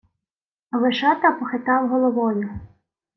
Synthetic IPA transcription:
ɐʋeʃɑt̪ɐpɔxɪt̪ɑwɦɔlˠɔʋɔjʊ

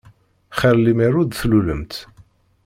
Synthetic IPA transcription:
χəɾlimiɾud̪θluləmt̪

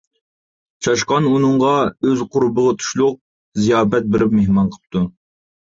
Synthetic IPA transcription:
t͡ʃʰɑʃqɑnunɨɴʁɑøzqʰʊɾbəʁɑt̪ʰu̥ʃlˠʊq̚ | zijɑːbɛt̪̚bɪɾɪpmehmɑnqʰə̥p̚t̪ʰu

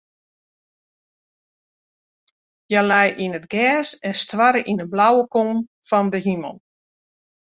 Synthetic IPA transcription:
jəlɛjʔinətɡɛːsɛnstwaɾəʔinəblawəkom | fɔndəɦimə̰lˠ

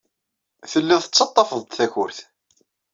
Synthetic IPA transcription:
θəlːiðˤθət͡sːɑt̪ˤːɑfəðˤt̪θæçʊɾθ

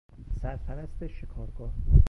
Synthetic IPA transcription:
sæɾpʰæɾæst̪eʃekʰɒːɾɡɒːh

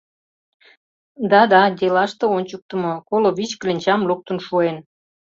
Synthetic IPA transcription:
d̪ɑd̪ɑd̪ʲelɑʃt̪ĕonʲt͡ɕuk̚t̪ə̆mŏkoloβit͡ɕklʲenʲt͡ɕɑmluk̚t̪ə̆nʃuen

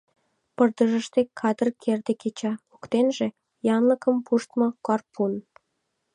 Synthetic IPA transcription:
pərd̪əʒəʃt̪ekʰːɑd̪ərkʰerd̪eket͡ɕɑukt̪enʒĕ | jɑnləkəmpuʃt̪mɤ̆kɑrpʰun

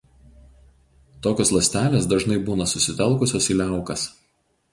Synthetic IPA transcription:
t̪oːkʲoːslˠɐsʲt̪ʲæːlʲeːsd̪ɐʒnɐɪbuːnɐsʊsʲɪt̪ʲɛlˠˑkʊsʲoːsiːlʲæˑʊkɐs

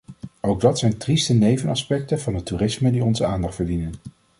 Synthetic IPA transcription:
owɡ̚dɑtsɛjntristənejvənɑspɛk̚təv̥ɑndətuːrɪsmədiɔnzəaːndɑχtfəɹdinən

